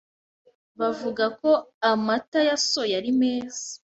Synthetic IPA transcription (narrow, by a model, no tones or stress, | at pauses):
βavuɡako̞amatajasojaɾime̞ːzḁ